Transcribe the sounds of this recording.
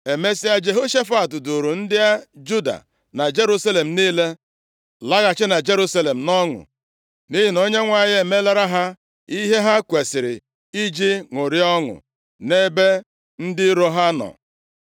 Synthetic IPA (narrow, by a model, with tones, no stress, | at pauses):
e˨me˦si˦a˦d͡ʒe˨ɦo˦ʃe˦fa˨tʊ˨du˨ɾu˨n̩˦dɪ˦a˦d͡ʒu˦da̰˨ | na˨d͡ʒe˦ɾu˦sa˦le˨m̩˨niː˦le˦ | la˦ɣa˨t͡ʃɪ˦na˨d͡ʒe˦ɾu˦sa˦le˨m̩˨nɔ˦ŋʊ̰˨ | ni˦ɦi˨no˦ɲe˦ŋʷa˨ɲ˦e˨me˦le˦ɾa˦ɦa˦ | i˦ɦe˦ɦa˦kʷe˨sɪ˨ɾɪ̰˨ | i˦d͡ʒi˦ŋʊ˨ɾi˦ɔ˦ŋʊ̰˨ | ne˦be˦ | n̩˦dɪ˦ɾo˦ɦa˦nɔ̰˨